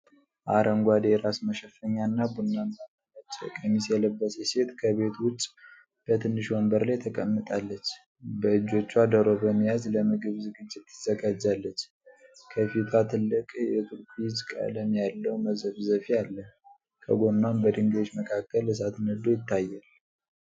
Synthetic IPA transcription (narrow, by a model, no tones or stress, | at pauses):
ʔaɾəŋɡʷad̪eɾasməʃəfəɲːanːabunːant̪anaat͡ʃʼːə̰kʼəmisjɛləbːəsese̞t̪kʰəβe̞t̪wʊt͡ʃʼ | b̥ət̪ʰɨnːɨʃwombəɾlajt̪ʰəkʼəmːɨt̪ʼalːət͡ʃː | bəɨd͡ʒːo̞t͡ʃːuad̪əɾo̞bəmːijazləmɨɡɨβzɨɡɨd͡ʒːɪt̪ːɨz̥əɡad͡ʒːalːət͡ʃː | kʰəfit̪ʰat̪ʰɨlːɨkʼjɛt̪ʰuɾkʰud͡ʒkʼa̰ləmjalːəwməzəβzəfialːəh | kʰə̰ɡo̞nːanbəd̪ɨŋɡot͡ʃːməkʰakːəlɨs̬at̪nəd̪o̞jɪt̪ːajːal